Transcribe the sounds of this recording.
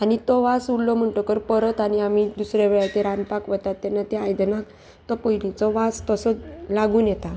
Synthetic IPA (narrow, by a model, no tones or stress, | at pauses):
aɽ̃it̪ɔʋasuɽlɔm̤əɳʈɔkəɾpəɾət̪añiam̤id̪usɾjaʋeɭat̪iɾanpakʋət̪at̪ːɛnːat̪eajd̪nak | t̪ɔpəɦilit͡sɔʋast̪əsəlaɡuːnjɛt̪a